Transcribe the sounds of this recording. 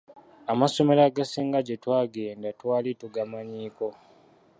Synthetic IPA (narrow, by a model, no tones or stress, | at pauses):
amaso̞me̞ɾaɡasiːŋɡaɟe̞twaːɡe̞ːndatwaːlituɡamaɲiːko̞